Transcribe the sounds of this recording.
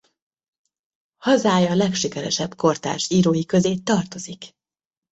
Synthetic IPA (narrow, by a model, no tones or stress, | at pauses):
hɒzaːjɒlɛkʃikɛɾɛ̰ʃɛbko̞rt̪a̰ːʃiːɾoːjikø̞zeːt̪ːɒrt̪o̞zik